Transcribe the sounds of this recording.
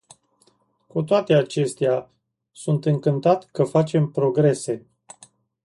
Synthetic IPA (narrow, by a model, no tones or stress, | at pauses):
kut̪oat̪e̞at͡ʃe̞st̪ea | sunt̪ɨŋkɨnt̪at̪kəfat͡ʃe̞mpɾo̞ɡɾe̞se̞